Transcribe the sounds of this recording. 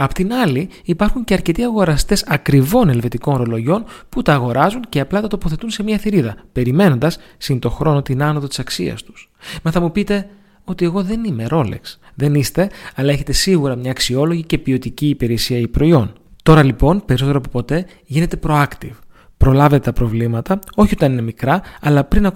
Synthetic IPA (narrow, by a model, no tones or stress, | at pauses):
ɐpot̪inɐliː | pɐɾxuɲce̞ɐɾce̞t̪iɐɣo̞ɾɐst̪e̞sɐkɾivo̞ne̞lve̞t̪iko̞nɾo̞lo̞ʝo̞nput̪ɐːɣo̞ɾɐzunceɐplɐt̪ɐt̪o̞po̞θe̞t̪unse̞miɐθiɾiðɐpe̞ɾime̞no̞nd̪ɐs | sint̪o̞xɾo̞no̞t̪inɐnoðo̞t̪isɐksiɐ̰st̪u̥s | meθɐmupit̪e̞ | o̞t̪ie̞ɣo̞ðe̞nime̞ɾo̞lḛksðe̞nist̪e̞ɐlɐeçe̞t̪e̞siɣuɾɐmɲɐːksio̞lo̞ʝice̞pio̞t̪iciːpeɾesiɐipɾo̞io̞nt̪o̞ɾɐlipo̞npeɾisot̪eɾɐpopo̞t̪e̞ | ʝine̞t̪e̞pɾo̞ɐkt̪iv | pɾo̞lɐve̞t̪e̞t̪ɐpɾo̞vlimɐt̪ɐo̞çiot̪ɐnine̞mikɾɐɐlɐpɾinɐ